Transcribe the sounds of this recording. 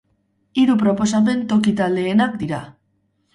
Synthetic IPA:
iɾupɾo̞po̞sape̞nt̪o̞kit̪ald̪e̞ːnakd̪iɾa

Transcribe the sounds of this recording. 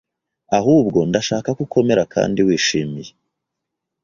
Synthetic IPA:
ahuːbɡo̞ndaʃaːkakukʰo̞me̞ɾakʰa̰ːndiwiːʃiːmije

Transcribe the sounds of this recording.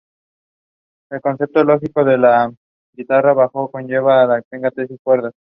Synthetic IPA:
e̞lko̞nθe̞p̚t̪olo̞xiko̞ðe̞la | ɡit̪araβaxo̞ko̞nʝe̞βalapeŋɡat̪esiskwe̞ɾða

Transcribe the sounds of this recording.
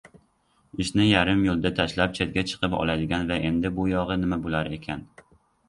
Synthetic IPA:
ɪʃnɪjaɾɪmjolˠd̪at̪ʰaʃlap̚t͡ʃʰet̪̚ɡʲat͡ʃʰɨ̥qʰɨpɒ̰lˠajd̪ɪɡʲanvaʔend̪ɪbʊjɒʁɨnɪmabolˠaɾekʲʰan

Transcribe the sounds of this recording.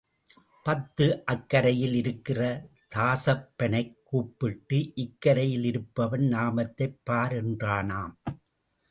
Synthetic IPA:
pɐt̪ːɯʔɐkːɐɾɐjɪlɪɾɯkːɪrɐ | t̪aːsɐpːɐɳɐɪkːuːpːɪʈːɯʔɪkːɐɾɐjɪlɪɾɯpːɐʋɐnnaːmɐt̪ːɐɪpːaːɾɛndraːnaːm

